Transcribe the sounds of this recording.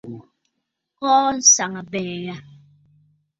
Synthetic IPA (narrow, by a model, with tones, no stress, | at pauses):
kɔː˦n̩˦sa˨ŋa˨bɛː˨ja˦